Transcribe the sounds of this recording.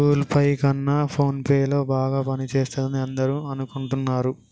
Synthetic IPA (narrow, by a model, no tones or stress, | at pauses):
uːlpɐjkɐnːapʰo̞ːnpeːjlo̞ːbaːɡaːpɐnit͡ʃeːst̪aːd̪ɐniɐnd̪ɐɾuɐnukuɳʈunːaːɾu